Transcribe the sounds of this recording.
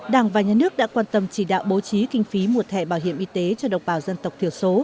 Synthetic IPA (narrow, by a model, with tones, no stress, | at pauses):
ɗaː˧˩ŋvaː˨˩ɲaː˨nɨ˦˥ək̚ɗa̰ː˧˥kwaː˧nt̪ə˧mt͡ɕi˧˩ɗa̰ː˧˨wɓo˨˦t͡ɕi˨˦kï˧ŋ̟fi˨˦mu˨˩ət̪ʰɛ̰˧˨ɓaː˧˩wɦḭ˧˨əmʔi˧t̪e˨˦t͡ɕɔ˧ɗə̰˧˨ŋ͡mɓaː˧˩wzə˧nt̪ə˨˩wk͡p̚t̪ʰi˧˩əso˨˦